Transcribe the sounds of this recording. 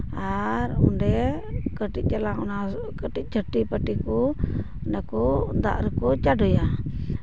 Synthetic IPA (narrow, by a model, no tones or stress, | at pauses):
aɾɔɳɖɛkəʈic̚ˀt͡ʃalaɔna | kəʈic̚d͡ʒʰʱəʈipəʈikɔ | nakɔd̪a̰ʔɾɛkɔt͡ʃaɖʱɔja